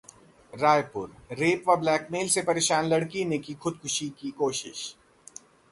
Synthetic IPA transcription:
ɾaːjpʊ̰ɾɾeːpʋablɛːkmeːlsepɐɾeːʃaːnlɐɽkinekixʊd̪̚kʰʊʃikikoːʃɪ̰ʃ

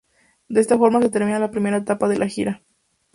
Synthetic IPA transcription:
d̪ee̞st̪afo̞ɾmas̬e̞t̪e̞ɾmĩnalapɾime̞ɾaet̪apaðe̞lʔaxiɾa

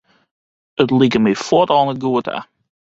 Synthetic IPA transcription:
ətlikəmifɔtɔːnəɡuətʰa̰

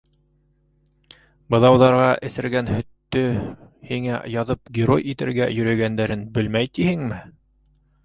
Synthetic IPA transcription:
bɤ̆ðˠɑwðɑɾʁɑʔɘ̆sɘ̆ɾɡænhɵ̆t̪ːɵhiŋæ̰jɑðɤp̚ɡʲɪɾo̞̰jit̪ɘ̆ɾɡæ̰jɵ̆ɾæɡænd̪æɾɘnbɘlmæjt̪ihɘŋmɘ

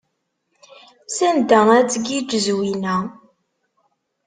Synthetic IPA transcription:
sænd̪ææt͡sːɡid͡ʒəzwinæ

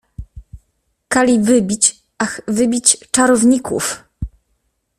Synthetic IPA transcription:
kalʲivɘbʲit͡ɕ | axvɘbʲit͡ɕt͡ʂaɾɔvɲikṵf

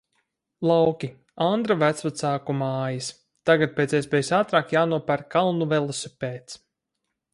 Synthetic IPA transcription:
lˠawkʲi | and̪ɾavæt̪svat̪saːkumaːjis | t̪aɡat̪̚pʲeːt̪sʲiɛspʲɛːjusaːt̪ɾaːkjaːnuɔpæɾkalˠnuvɛlˠusʲupeːt̪s

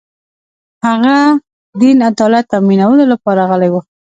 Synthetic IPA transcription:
haɣa | d̪inad̪ɑlat̪ːaminawəlolapɑɾaɣəlajwu

